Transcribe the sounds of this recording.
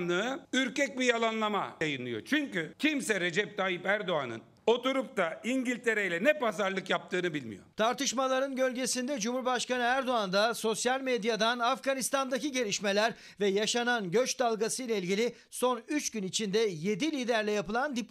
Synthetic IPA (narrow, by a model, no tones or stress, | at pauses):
nˠɯɯyɾcɛc̚bijalˠanlˠama̰jajɯnlˠɯjo̞̰t͡ʃʰyɲcycʲʰimsɛɾe̞d͡ʒɛp̚t̪ʰaːjipæɾd̪o̞anɯ̰n | o̞t̪uɾup̚t̪aiɲɟilʲt̪ʰe̞ɾejlʲɛnɛpazaɾlˠɯkjap̚t̪ʰɯːnɯbilʲmḭjo̰t̪ʰaɾt̪ɯʃmalˠaɾɯnɟø̞lʲɟe̞sind̪ɛd͡ʒumuɾbaʃkanɯæɾd̪o̞and̪aso̞sjalʲmed̪jad̪anafɡanist̪ʰand̪aciɟe̞lʲiʃme̞lʲæɾ | vɛjaʃananɟø̞t͡ʃd̪alˠɡasɯjlˠailʲɟilʲɪ | so̞nyt͡ʃɟynit͡ʃʰind̪ɛje̞d̪ilʲiːd̪æɾlʲɛjapɯlˠand̪ip